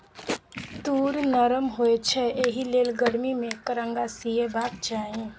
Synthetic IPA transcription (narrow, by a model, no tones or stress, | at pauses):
t̪uːɾnəɾəmɦoet͡ʃʰɛeːɦileːlɡəɽmimẽkəɾə̃ŋɡasiebaːp̪̚t͡ʃaːɦẽ